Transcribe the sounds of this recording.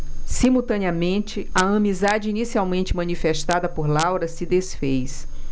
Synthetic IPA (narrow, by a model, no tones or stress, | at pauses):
simuwt̪ɐ̃niɐmẽnt͡ʃɪɐɐ̃mizad͡ʒɪinisiawmẽnt͡ʃɪmɐ̃nifeʃt̪ad̪ɐpoɾlawɾɐsɪd̪esfejs